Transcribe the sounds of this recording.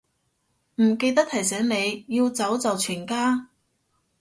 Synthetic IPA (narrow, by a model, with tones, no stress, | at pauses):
m̩˨˩ke˧jt̪ɐ˥k̚t̪ʰɐ˨˩js̬ɛː˨˥ŋne˨˧jjiː˧wt͡sɐ˨˥wt͡sɐ˨wt͡ʃʰyː˨˩nkaː˥